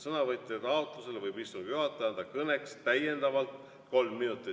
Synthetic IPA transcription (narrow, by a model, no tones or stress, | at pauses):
sɤnɑvɤt̪ʲːˑet̪ɑot̪ˑluse̞levɤjbist̪uŋɡ̥juɦɑt̪ːˑɑjɑnd̪ɑkɤne̞kst̪æje̞nd̪̥ɑvɑlt̪ | ko̞lmːinut̪ːˑi